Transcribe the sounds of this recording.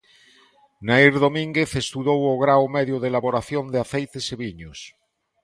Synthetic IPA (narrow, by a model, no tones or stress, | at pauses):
naiɾðomĩŋɡeθest̪uðowoɣɾawmeðjoðelaβoɾaθjond̪eaθejt̪eseβiɲos